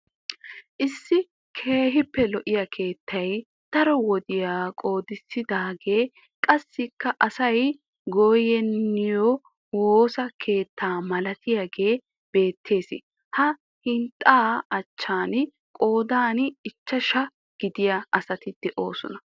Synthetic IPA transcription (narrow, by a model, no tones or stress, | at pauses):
ʔɪsːɪ | kʰe̞ːɦɪpːɛlɔʔɪjakʰe̞ːt̪ʰːɐj | t̪ɐɾɔwɔd̪ɪjaːkʼo̞ːd̪ɪsɪd̪aːɡe̞ː | kʼɐsːɪkːɐʔɐsɐj | ɡoːjɛnːɪjɔ | woːsɐkʰe̞ːt̪ʰːaːmɐlɐt̪ʰɪjaɡe̞ː | b̥e̞ːt̪ʰːe̞ːsɪ̰ | hɐ | hɪnt̪ʼaːɐt͡ʃːaːn | kʼo̞ːd̪aːnɪt͡ʃːɐʃɐ | ɡ̥ɪd̪ɪjɐʔɐsɐt̪ɪd̪̥ɛʔo̞ːsɔnɐ